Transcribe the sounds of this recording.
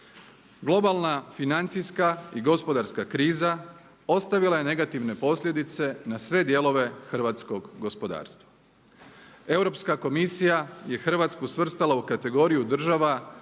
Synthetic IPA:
ɡlˠo̞balˠnafinant̪sijskaiɡo̞spo̞d̪aɾskakɾiːza | o̞st̪aʋilˠaje̞ne̞ɡat̪iʋne̞po̞slʎʲe̞d̪it̪se̞nasʋe̞d̪je̞lˠo̞ʋe̞xr̩ʋat̪sko̞ɡɡospo̞d̪a̰ːɾst̪ʋa | e̞uwɾo̞pskako̞misijaje̞xr̩ʋat̪skusʋr̩st̪alaukat̪e̞ɡo̞ɾijud̪r̩ʒaʋa

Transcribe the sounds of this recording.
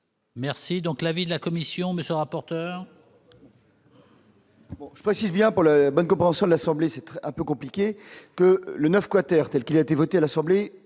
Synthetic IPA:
mɛʁsid̪ɔ̃klavid̪əlakɔmisjɔ̃məsjølʁapɔʁt̪œːʁ | bɔ̃ʒəpχesizbjɛ̃puʁlalabɔnkɔ̃pχeɑ̃sjɔ̃d̪əlasɑ̃blesɛt̪ɛ̃pøkɔ̃plikʲekələnœfkwat̪ɛʁt̪ɛlkʲilaet̪evɔt̪ealasɑ̃ble

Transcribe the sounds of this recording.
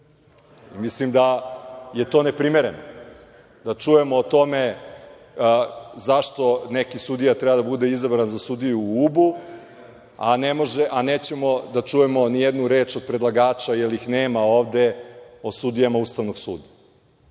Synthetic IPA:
imislimd̪aje̞t̪o̞ːnepɾimeɾe̞no | d̪at͡ʃuje̞moːt̪o̞me | zaʃt̪o̞nekisud̪ijat̪ɾɛbad̪abud̪e̞izabɾanzasud̪ijuubu | a̰nemo̞ʒeʔaneːt͡ɕemo̞d̪at͡ʂuje̞mo̞nijed̪nuɾe̞ːt͡ʃo̞d̪̚pɾed̪lˠaɡaːt͡ʃajelixneːmaoːʋd̪e̞o̞sud̪ijamauːst̪aʋnoɡsṵːd̪a

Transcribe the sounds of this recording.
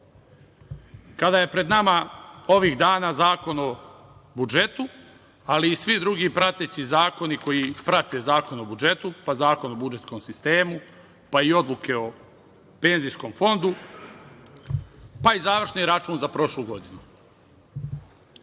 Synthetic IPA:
kad̪aje̞pɾe̞d̪namao̞ʋiːɣd̪aːnaːzaːko̞no̞ | bud͡ʒe̞t̪u | aliːsʋid̪ɾuɡiːpɾat̪e̞t͡ɕizaːko̞niko̞jipɾat̪e̞zaːko̞nobud͡ʒe̞t̪upazaːko̞nobud͡ʒe̞t̪sko̞msist̪e̞ːmu | paio̞d̪lˠuke̞o̞ | pe̞nzijsko̞mfo̞nd̪u | paizaːʋr̩ʃniɾat͡ʃuːnzapɾo̞ʃluːɡo̞d̪inu

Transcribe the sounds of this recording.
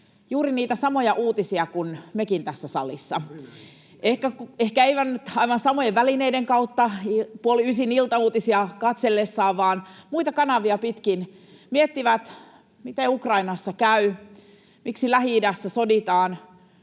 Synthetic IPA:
juːɾiniːt̪æsɑmojɑʔuːt̪isiɑkunmekint̪æsːæsɑ̰lisːɑ | ʔehkækuehkæeiʋænːyt̪ɑiʋɑnsɑmojeʋʋælineideŋkɑut̪ːɑipuoliysinilt̪ɑuːt̪isiɑkɑt̪selːesːɑːʋʋɑːnmuit̪ɑkɑnɑʋiɑpit̪kin | miet̪ːiʋæt̪ | mit̪eukrɑinɑsːɑkæy | miksilæhiidæsːæsodit̪ɑːn

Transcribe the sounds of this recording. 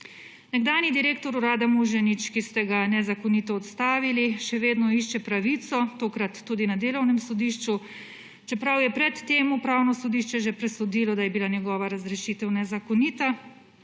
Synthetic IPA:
nɛɡd̪aːnid̪iɾeːkt̪ɔɾuɾaːd̪amuʒɛnit͡ʃkist̪ɛɡanɛzakɔnit̪ɔːt̪st̪aːʋiliʃɛʋeːd̪nɔiʃt͡ʃɛpɾaʋiːt̪sɔt̪oːkɾat̪ːud̪inad̪eːlɔwnɛmsɔd̪iːʃt͡ʃu | t͡ʃɛpɾawjɛpɾɛt̪ːeːmupɾaːwnɔsɔd̪iʃt͡ʃɛʒɛpɾɛsɔd̪ilɔd̪ajɛbilanjɛɡɔːʋaɾazɾɛʃiːt̪ɛwnɛzakɔniːt̪a

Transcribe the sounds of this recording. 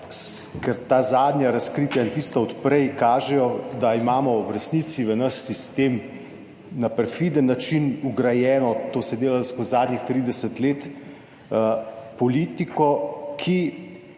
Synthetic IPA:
kɛɾt̪aːzaːd̪nʲjaɾaskɾiːt̪jaint̪ist̪aɔt̪pɾɛjkaːʒɛjɔd̪aimaːmɔwɾɛsnit̪siʋənəsːist̪eːm | napɛɾfid̪ənːat͡ʃinuɡɾajɛːnɔt̪oːsɛd̪eːlaskəzaːd̪nʲixt̪ɾid̪ɛsət̪leːt̪ | pɔlit̪ikɔkʰi

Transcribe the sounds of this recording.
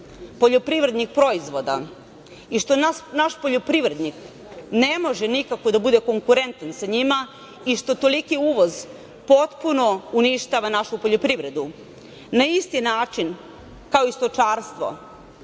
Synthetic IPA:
po̞ʎopɾiʋɾe̞d̪nik̚pɾo̞izʋo̞d̪a̰ | iʃt̪o̞naʃpoʎopɾiʋɾe̞d̪nik | nemo̞ʒenikako̞d̪abud̪e̞ko̞ŋkuɾe̞nt̪ansaɲima | iʃt̪o̞t̪o̞likiuːʋo̞z | po̞t̪puno̞uniʃt̪aʋanaʃupo̞ʎopɾiʋɾe̞d̪u | naist̪inaːt͡ʃin | kaoist̪o̞t͡ʃaːɾst̪ʋo̞̰

